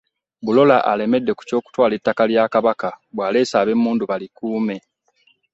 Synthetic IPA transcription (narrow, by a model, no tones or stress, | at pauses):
bulo̞laʔa̰le̞me̞dːe̞ku̥co̞ːku̥twaːletːakaljaːkaβakabwaːleːsaːβe̞muːnduβalikuːme̞